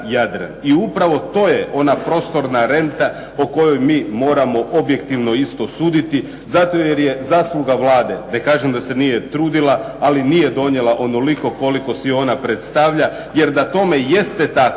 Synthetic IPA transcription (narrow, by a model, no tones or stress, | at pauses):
jad̪ɾḛniupɾaʋo̞t̪o̞ːjeʔo̞napɾo̞ːst̪o̞ɾnaɾe̞nt̪a | oko̞jo̞jmiːmo̞ːɾamo̞ʔo̞bje̞kt̪iʋno̞ist̪o̞suːd̪it̪i | zat̪o̞jeɾje̞zaːslˠuɡaʋlaːd̪e̞ne̞kaːʒemd̪ase̞nijet̪ɾuːd̪ilaː | linije̞d̪o̞ɲje̞lˠaʔo̞no̞liko̞ko̞liko̞sio̞ːnapɾet̪st̪aʋʎa | je̞ɾd̪at̪o̞me̞je̞st̪et̪ak